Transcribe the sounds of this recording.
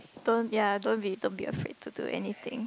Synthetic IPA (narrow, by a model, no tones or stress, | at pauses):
d̥õnjadõnbidõnbḭə̰fɹḛd̚tʰudṵʔɛ̰nit̪ɪ̰̃ŋ